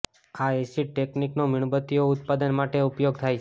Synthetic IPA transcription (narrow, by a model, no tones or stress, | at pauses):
aesiʈekniknomɪɳ̃bət̪ioʊt̪pad̪ənmaʈeupjoɡt̪ʰajt͡ʃʰ